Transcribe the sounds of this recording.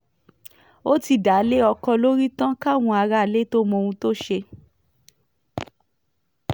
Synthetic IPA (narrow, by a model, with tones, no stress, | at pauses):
o˦ti˧˨da˨˦le˦ɔ˧kɔ˧lo˦ɾi˦tã˦ka˦˨w̃ũ˧a˧ɾa˦˨le˦to˦mɔ̃˧wũ˧to˦ʃe˧